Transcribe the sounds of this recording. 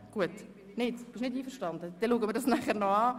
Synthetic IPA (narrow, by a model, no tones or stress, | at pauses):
ɡ̥uət | nɪtb̥ɪʃnɪdiːfəɾʃtɑndəd̥̪ɛluːɡəmɪɾdɑsnæχəɾnɔɑː